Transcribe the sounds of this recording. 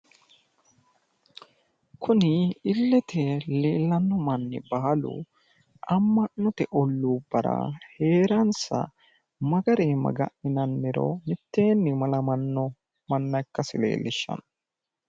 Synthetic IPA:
kʰʊnɪɪlːɛt̪ʰɛleːlːɐnːɔmɐnːɪ̰baːlʊ̰ | ʔɐmːɐnːɔt̪ɛʔɔlːuːbɐɾɐ̰he̞ːɾɐnsɐ̰ | mɐɡɐɾeːmɐ̰ɡɐ̰ʔɪnɐnmɪɾɔ̰mɪt̪ːe̞ːnːɪmɐlɐmɐnːɔ | mɐnːɐjkːɐsɪle̞̰ːlːɪʃːɐ̰nɐ

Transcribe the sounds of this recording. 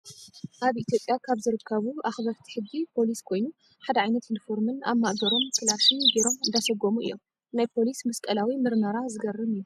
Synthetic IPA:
ʔaβit̪ʰijo̞pʼjakʰaβzɨɾɨkʰːɐβuʔaxβɐɾt̪ʰi̥ħɨd͡ʒːipʰo̞liskʰo̞jnu | ħad̪ɐʕajnɐt̪jɪnifo̞ɾmɨna̰βmaʔbɐɾo̞mkʰɨlaɾʃinbiɾo̞mɨnd̪asɐɡomuɨ̰ḭjːo̞̰m | najpʰo̞lismɐskʼɐlawimɨɾmɐɾazɨɡɐrːɨmɨjːu

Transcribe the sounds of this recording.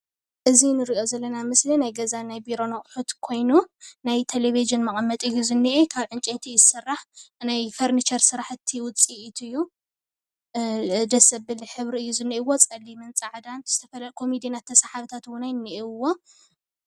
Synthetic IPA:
ʔɨzinɨɾiʔo̞zɐlːɐnamɨslinajɡɐzanajbiɾo̞nɐχʼħut̪kʰo̞jnunajt̪ʰeleβiʒɨnmɐχʼmːɐt̪ʼɨjːuzɨnːiʔekʰaβʕɨnt͡ʃʼent̪ʰijɪsɨrːaħnajfɐɾnit͡ʃʰɐɾsɨɾaħɨt̪ʰːiwʊt͡sʼiʔit̪ʰɨjːu | d̪ɐsɐbɨliħɨβɾiɨjːuzɨnːiʔɪwot͡sʼɐlːimɨnt͡sʼaʕd̪anz̥ɨ̥t̪ʰɐfɐlakʰo̞mid̪inat̪ʰːɐsaħaβt̪ʰat̪wʊnajnːiʔeɨwo̞

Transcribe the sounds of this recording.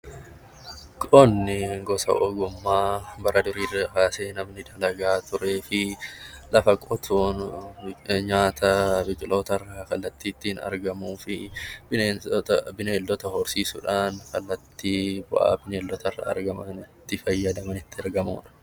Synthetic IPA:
kʼonːɪɡɔsɐ̰ʔɔɡʊmːaːbɐɾʔɐd̪ʊɾiːrɐkaːseːnɐmnɪd̪ɐlɐɡaːt̪ʊɾe̞ːfɪlɐfɐkʼɔt̪ʰuːn | ɲaːt̪ʰɐbɪkʼɪlo̞ːt̪ɐrːɐkɐlːɐt̪ːiːt̪ːɪhɪnɐ̰ɾɡɐmuːfɪb | bɪneːld̪ɔt̪ɐhɔɾsiːsʊᶑaːnkɐlːɐt̪ːiːbʊ̰ʔa̰ːbɪneːlːɔt̪ɐrːɐ̰ɐ̰ɾɡɐmɐnɪt̪ːɪfɐjːɐd̪ɐmɐnɪt̪ːɪɪɾɡɐmṵːᶑɐ̥

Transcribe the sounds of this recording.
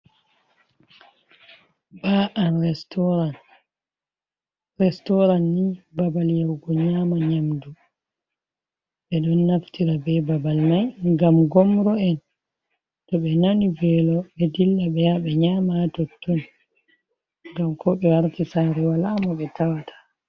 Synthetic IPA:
baːʔanɾtɔɾan | ɾɛstɔɾanːibabaljawɡɔɲaːmaɲamdu | ɓɛɗɔnːaftiɾabɛbabalmajŋɡamɡɔmɾɔɛn | tɔɓɛnanivɛlɔɓɛdilːaɓɛjaɓɛɲaːmaːtɔtːɔn | ŋɡamkɔɓɛwaɾtisaːɾɛwalaːmɔɓɛtʰawatʰḁ

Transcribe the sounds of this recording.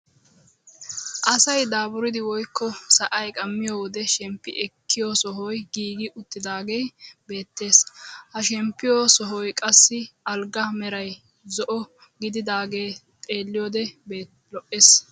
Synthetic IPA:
ʔɐsɐjd̪aːbʊɾɪd̪ɪwɔjkːɔsɐʔɐjkʼɐmːɪjoːwɔd̪ɛʃɛmpːɪ̰ʔɛkʰːɪjɔsɔɦɔjɡiːɡɪʔʊt̪ːɪd̪aːɡejbe̞ːt̪ːe̞ːshɐʃɛmpːɪjɔsɔɦɔjkʼɐsːɪɐlɡɐmɛɾɐj | zɔʔɔ | ɡɪd̪ɪd̪aːɡe̞ː | t̪ʼe̞ːlːɪjɔːd̪ɛbeː | lɔʔeːs

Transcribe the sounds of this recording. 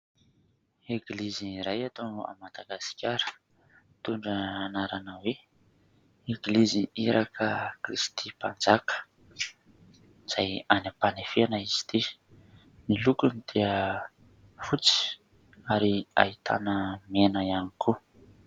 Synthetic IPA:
eɡliziɾajat̪oa̰mad̪aɡasi̥kʲaɾə̥ | t̪uɳɖ͡ʐəanaɾanəwe | eɡliziiɾakʰəkrist̪ʰipand͡zakə̥ | z̥ajanapanefeanaiz̥i̥t̪i | nilukunit̪ʰiə | v̥ut͡si̥ | aɾia̰it̪ʰa̰nəmenəianikʰu

